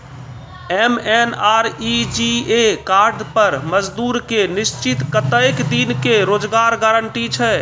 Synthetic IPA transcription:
ɛmɛnaːɾid͡ʒiekaːɾɖpəɾməd͡ʒd̪uːɾkenist͡ʃit̪kət̪əjkd̪inkeɾoːd͡ʒɡaɾɡaɾəɳʈit͡ʃʰɛ

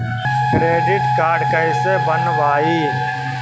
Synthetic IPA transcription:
skɾeːɖɪʈkaːɾɖkəɪsebənʋaːiː

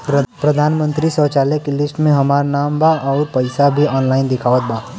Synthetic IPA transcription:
pɾɐd̪ʱaːnmə̃nt̪ɾisɔːt͡ʃaːlekelɪsʈmẽɦɐmaːɾanaːmbaʔɔːɾpɐɪsabʱiɔːnlaːɪnd̪ɪkʰaːʋət̪̚baː

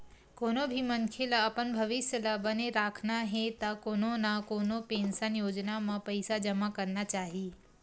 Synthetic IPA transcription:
koːnobʱiməŋkʰelaɐpənbʱɐʋɪsjəlabəneɾaːkʰnaɦet̪akoːnonakoːnopẽːnsənjoːd͡ʒnamãpəjsad͡ʒəmakəɾnat͡ʃaːɦi

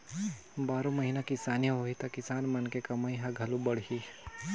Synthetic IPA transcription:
baːɾõmɐɦinakɪsaːnijɦoːit̪ɐkɪsaːnmɐnkekɐmaːiɦãɡʱɐlũbɐɽ̤ɦi

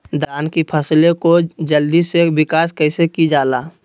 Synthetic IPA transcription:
d̪ʱaːnkipʰəslekod͡ʒəld̪isebɪkaːskəɪsekid͡ʒaːlaː

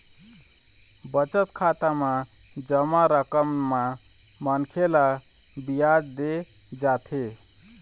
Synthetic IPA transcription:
bət͡ʃət̪kʰat̪ama | d͡ʒəmaɾəkəmːa | mənkʰela | bijad͡ʒd̪e | d͡ʒat̪ʰe

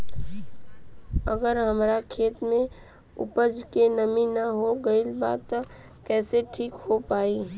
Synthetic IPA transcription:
əɡəɾɦəmɾakʰeːt̪mẽ | ʊ̰pəd͡ʒkenəminəɦoɡəilba̰ːt̪t̪ː | kɛːseʈʰiːkɦopaːi

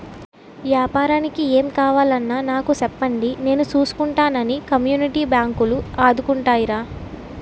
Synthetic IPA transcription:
ʋjaːpaːɾaːnikieːmkaːʋaːlɐnːaːnaːkusɛpːɐɳɖine̞ːnut͡ʃuːsu̥kuɳʈaːnɐnikɐmjuːniʈiːbjaːŋkuluaːd̪ukuɳʈaːjiɾaː

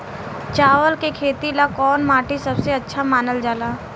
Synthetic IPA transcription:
t͡ʃaːʋəlkekʰeːt̪ilakɔːnmaːʈʰisɐbseɐtːʃʰamaːnəld͡ʒaːlaː

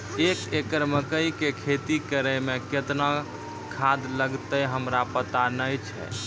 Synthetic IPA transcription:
ekekəɾməkəjkekʰet̪ikəɾəmẽket̪na | kʰad̪ləɡt̪əɦəmɾapət̪anəjt͡ʃʰɛ̰

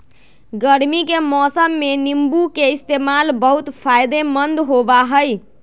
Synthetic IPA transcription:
ɡəɾmikemɔsəmːenimbukeist̪emalbəɦut̪pʰajd̪emənd̪ɦobaɦəj

